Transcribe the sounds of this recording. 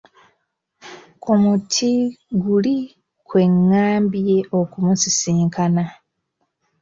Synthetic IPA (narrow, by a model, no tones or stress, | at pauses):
kʰumutʰiɡuli | kwe̞ŋːaːmbije̞ʔo̞kumusisiːŋkʰana